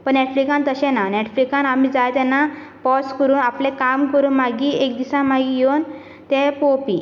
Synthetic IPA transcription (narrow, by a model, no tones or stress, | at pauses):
pəɳnɛʈfɾikãnt̪əɕɛ̃nanɛʈfɾikãnam̤iːd͡zajt̪ɛnːapɔskəɾuːnaplɛ̃kamkəɾuːnmaɡiːek̚d̪isãm̤aɡiːjon | t̪ɛpopḭː